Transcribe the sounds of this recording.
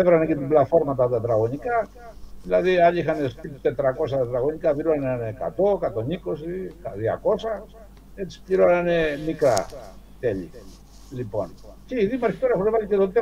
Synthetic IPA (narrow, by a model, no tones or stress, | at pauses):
evɾɐnecet̪iblɐt̪fo̞ɾmɐt̪ɐt̪et̪ɾɐɣo̞nikɐ | ðilɐðiɐʎiixɐnespit̪et̪ɾɐko̞s̬ɐet̪ɾɐɣo̞ɲikɐpiɾonɐneneka̰t̪o̞kɐt̪o̞nikosikðiɐ̰ko̞sɐ | e̞t͡si̥pʎiɾonanemikɾɐ̰t̪eʎḭ | lipo̞̰n | ceiðimɐɾçit̪oɾexunevaʎicet̪ot̪e